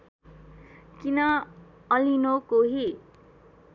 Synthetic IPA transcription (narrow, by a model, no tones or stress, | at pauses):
kinʌ | ʌlinokoɦi